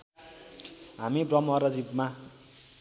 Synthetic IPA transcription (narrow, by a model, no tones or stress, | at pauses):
ɦamibrʌmʌɾʌd͡zibma